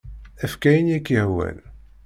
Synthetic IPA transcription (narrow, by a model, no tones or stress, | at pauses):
æfkæjənjækːəhwæ̰l